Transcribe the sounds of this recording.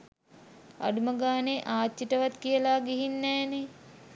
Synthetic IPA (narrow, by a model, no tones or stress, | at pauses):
a̰ɖuməɡaːneʔaːt̪jiʈəʋat̪kijəlaːɡiɦinːɛːne